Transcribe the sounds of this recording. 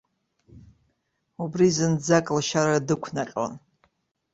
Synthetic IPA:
ubrizɨnd͡zakʼlʃaɾadɨkʷʰnaqʲʼo̰n

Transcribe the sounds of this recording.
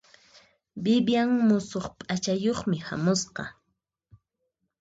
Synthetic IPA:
bɪbjaŋmʊsoχpʼat͡ʃajoχmɪha̰mʊsqɑ̰

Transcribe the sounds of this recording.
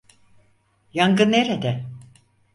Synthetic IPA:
jaŋɡɯnːeɾed̪ɛ

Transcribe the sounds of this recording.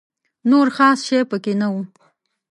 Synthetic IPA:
noɾxɑsʃepəkenawu

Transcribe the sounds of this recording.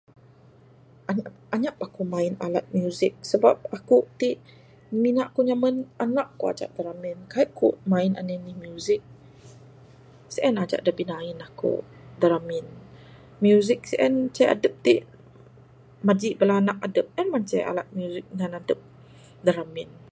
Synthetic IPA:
ʔaɲa | aɲap̚akumaina̰lat̪̚mjuzik̚səba̰p̚akut̪iʔ | minaʔkuɲamənanaʔkua̰d͡ʒa̰ʔdaɾaminkaiʔkṵʔmaina̰nənihmjuzik̚ | siʔɛnad͡ʒa̰ʔdabinainahkṵdaɾamin | mjuzik̚siʔɛnt͡ʃaja̰dəp̚t̪iʔ | mad͡ʒiʔbəlanaʔadəp̚ɛnmant͡ʃaa̰lat̪̚mjuzik̚ɲanadəp̚ | daɾamɪn

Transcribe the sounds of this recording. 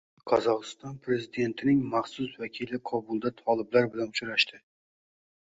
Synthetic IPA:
qʰɒzɒʁɨst̪ɒnpʰɾe̞zɪd̪e̞nt̪ʰɪnɪŋmɑχsʊsvakʲʰilɪqʰɒbʊlˠd̪at̪ʰɒlˠɪblaɾbɪlanʊt͡ʃʊɾaʃt̪ʰɪ

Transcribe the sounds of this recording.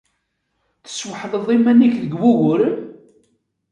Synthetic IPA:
θə̥sːwħðˤəðˤimænːiçðəɡwuɣʊɾən

